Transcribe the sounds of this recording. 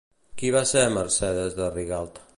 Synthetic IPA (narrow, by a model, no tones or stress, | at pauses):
kiβaseməɾsɛðezðəriɣalˠt̪